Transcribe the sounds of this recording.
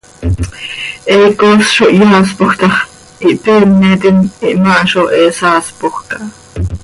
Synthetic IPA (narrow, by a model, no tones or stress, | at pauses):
ʔɛkosʃoʔjɑːspoxt̪ɑχ | ʔiʔpeːmːet̪iniʔmɑʔʃoʔɛːsɑːspoxkɑ